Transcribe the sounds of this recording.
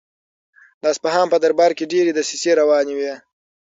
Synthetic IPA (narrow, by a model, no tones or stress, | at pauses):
d̪ɑspaɦɑmpəd̪aɾbɑɾkeɖeɾed̪əsiseɾawɑnewe